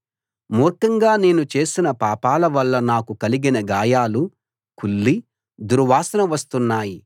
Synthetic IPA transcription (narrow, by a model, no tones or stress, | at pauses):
muːɾkɐŋɡaːne̞ːnut͡ʃe̞ːsinɐpaːpaːlɐʋɐlːɐnaːkukɐliɡinɐɡaːjaːlu | kulːi | d̪uɾʋaːsɐnɐʋɐst̪unːaːji